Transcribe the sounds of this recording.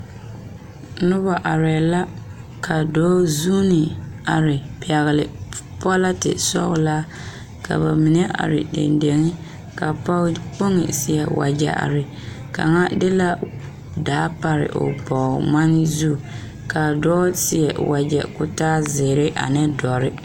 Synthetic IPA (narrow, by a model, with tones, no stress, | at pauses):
nʊ˦βa˨ʔa˨ɾɛ˨la˦ | kʰa˨dɔː˦zuː˦nɪ˨a˨ɾɪ˨pɛ˨ɣɪ˨lɪ˨pɔ˦la˦tɪ̰˨sɔ̰˦ɣlaː˦ | ka̰˨ba˨mi˨nɛ˦ʔa̰˨ɾɪ̰˨dḛ˨nde˨ŋɪ˦ | ka˨pa˦k͡po˦ŋɪ̰˨sɪ˦ɛ˨wa̰˨d͡ʒɛ̰˨ʔa̰˨ɾɪ˨ | ka̰˨ŋa˦dɪ˦la˦ | daː˨˦pa˦ɾɪ̰˨ʔʊ̰˨bɔ˨ma˦nɪ˦zu˦˨ | ka˨dɔː˦sɪ˦ɛ˨wʔa˨d͡ʒɛ̰˨kʊ˦taː˦zɪː˨ɾɪ˦ʔa̰˨nɪ˦dɔ˨ɾɪ˦